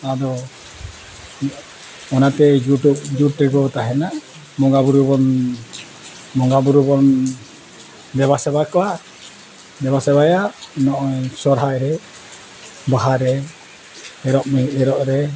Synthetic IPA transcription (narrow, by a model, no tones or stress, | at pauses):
ad̪ɔ | ɔnat̪ɛd͡ʒuʈub̚d͡ʒuʈɾɛɡɔt̪aɦɛna | mɔŋɡabuɾubɔn | mɔŋɡabuɾubɔn | bɛβasɛbakɔla | bɛbasɛβajanɔʔɔjsɔɾɦajɾɛ | baɦaɾɛ | ɛɾɔʔmɔɛɾɔʔɾɛ